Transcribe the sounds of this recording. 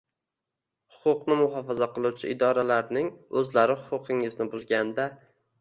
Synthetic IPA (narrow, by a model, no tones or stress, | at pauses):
hʊ̥qʰʊqnɪmʊɦɒfazaqɨlˠuwt͡ʃʰɪʔɪd̪ɒɾalaɾnɪŋɵzlaɾɪhʊ̥qʊqʰɪŋɪznɪbʊlˠɡʲand̪a